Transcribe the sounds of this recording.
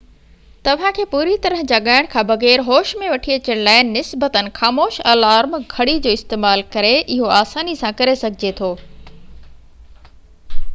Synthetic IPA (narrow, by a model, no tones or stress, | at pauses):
t̪ɐʋ̤ãkʰeːpuːɾit̪ɐɾəɦd͡ʑaːɠaːɪɽ̃kʰãbɐɣɛːɾɦoːʃmẽʋɐʈʰiɐt͡ɕəɽ̃laːɪnnɪsbət̪ənɪ̆xaːmoːʃɐːlaːɾmɡʱɐɽid͡ʑoːɪst̪eːmaːlkɐɾeʔɪɦoaːsaːnisãkɐɾesɐɡʱɪd͡ʑet̪ʰoː